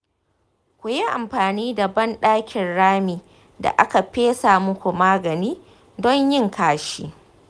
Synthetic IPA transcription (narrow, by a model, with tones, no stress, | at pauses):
kʷʊ˨ji˦ʔa̰˨mɸaː˨niː˦da˨bɐ˦nɗaː˦kʲʰɪ˨nɽaː˦miː˨ | da̰˨ʔa˦ka˨ɸeː˦sa˨mʊ˦kʷu˨maː˦ɡɐ˨niː˦ | dɔ˦ɲjɪ˦ŋkaː˨ʃiː˦